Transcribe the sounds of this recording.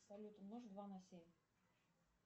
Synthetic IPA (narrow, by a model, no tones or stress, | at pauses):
sɐlʲut̪əmnoʐd̪vanasʲemʲ